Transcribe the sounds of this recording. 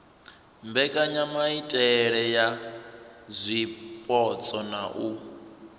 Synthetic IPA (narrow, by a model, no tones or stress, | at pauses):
mbɛkʼaɲamaitʼɛɺɛja | zʷipʼɔt͡sʼɔna̰ʔu